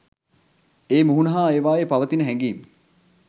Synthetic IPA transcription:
eːmuɦunəɦaːeːʋaːjepaʋət̪inəɦɛŋɡiːm

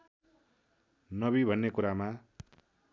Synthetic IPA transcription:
nʌbibʱʌnːekuɾama

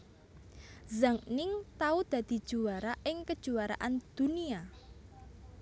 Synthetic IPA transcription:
zaŋnɪŋt̪aud̪̥ä̤d̪̥i̤̥ʒ̥ṳaɾaʔɪŋkəd̥ʒ̥ṳaɾa̰ʔand̪̥ṳnia

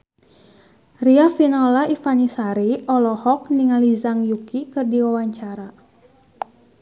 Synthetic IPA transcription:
riafinɔlaifanisaɾiɔlɔhɔk̚niŋalizaŋjukikɨrdiwawaɲt͡ʃaɾa

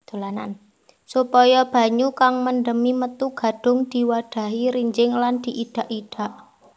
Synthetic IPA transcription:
d̪̥o̤lana̰n | supɔjɔb̥a̤ɲukaŋmənɖəmimət̪uɡ̥ä̤ɖ̥ʊ̤ŋd̪̥i̤waɖ̥ä̤ɦiɾiɲd͡ʒɪŋland̪̥i̤ʔiɖ̥a̤ʔiɖ̥a̤ʔ

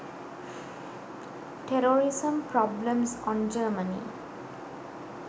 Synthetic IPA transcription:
ʈʰɛɾoːɾɪsə̃mpɾɔblə̃msɔ̃nd͡ʒəːmənḭ

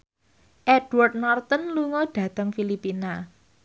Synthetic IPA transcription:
ʔɛdward̪̚nɔrt̪ənluŋɔɖ̥ä̤t̪əŋfilipina

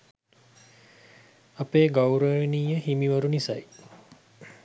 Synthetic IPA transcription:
ɐpeːɡawɾəiniːjəɦimiʋəɾunisɐj

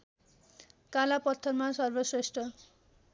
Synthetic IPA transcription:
kalapʌt̪ʰːʌrmasʌrbʌsresʈʰʌ

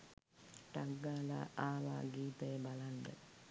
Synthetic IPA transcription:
ʈaɡːaːla̰ːʔaːʋa̰ːɡiːt̪əjəbaland̪ə̰

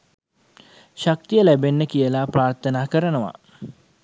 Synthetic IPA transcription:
ʃak̚t̪ijəlæbenːəkijəlapraːrt̪ənaːkəɾənəʋa̰

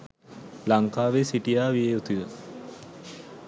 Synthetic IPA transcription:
laŋkaːʋesiʈijaːʋijeːut̪iʋə

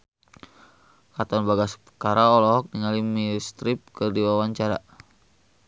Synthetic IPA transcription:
kat̪ɔnbaɡaspəkaɾaɔlɔɦɔk̚niŋalimist̪ɾip̚kɨrdiwawaɲt͡ʃaɾa

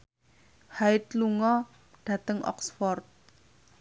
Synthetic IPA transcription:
haɪt̪̚luŋɔ | ɖ̥a̤t̪əŋʔɔ̰ksfɔrt̪̚

